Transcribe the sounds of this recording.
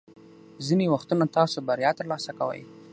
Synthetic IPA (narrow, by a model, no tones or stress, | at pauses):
zinewaxt̪unat̪ɑsobaɾjɑt̪əɾlɑsakawə̰j